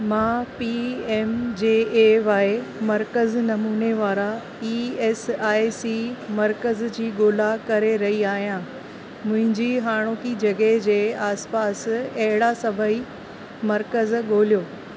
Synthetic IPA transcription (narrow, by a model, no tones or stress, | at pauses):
mãːpieːmd͡ʑeːeːʋaːemɐɾkəznɐmuːneʋaːɾa | iːeːsaːisimɐɾkəzd͡ʑiːɠoːlakɐɾeɾɐɦiaːɦijã | mʊ̃ɦɪ̃ɲd͡ʑiɦaːɽ̃oːkid͡ʑɐɠəɦd͡ʑeːaːspaːsɐɦɪɽasɐbʱəi | mɐɾkəzɠoːljoː